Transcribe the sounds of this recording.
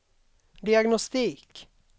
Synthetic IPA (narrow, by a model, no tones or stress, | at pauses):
d̪ɪɑɡnɔst̪iːk